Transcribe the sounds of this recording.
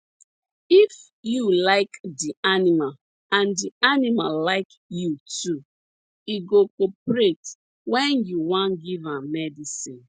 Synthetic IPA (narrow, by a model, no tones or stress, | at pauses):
if | julaɪkdianimal | ãndianimallaɪk | jutʰu | iɡokopɹet | wɛ̃njuwãnɡivãmmɛdisĩn